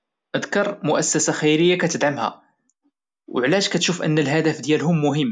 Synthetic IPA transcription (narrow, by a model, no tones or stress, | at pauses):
ʔəd̪kɑɾˤmʊʔæsːæsaxæjɾəjːakæt̪əd̪ʕamhæ̰ | wʕlæʒkæt̪ʃufʔə̰nːəlɦæd̪æfd̪jælɦʊmːʊɦəmː